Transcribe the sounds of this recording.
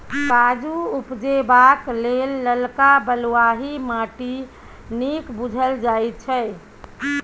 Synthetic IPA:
kad͡ʒuupd͡ʒebaklelːəlkabəlwaɦimaʈi | nikbud͡ʒʱəld͡ʒajt̪̚t͡ʃʰɛ

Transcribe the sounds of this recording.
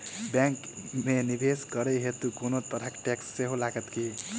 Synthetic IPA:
bɛ̃ŋk | menibeskəɾɛɦet̪ukonot̪əɾəkʈeksːeɦolaɡət̪ki

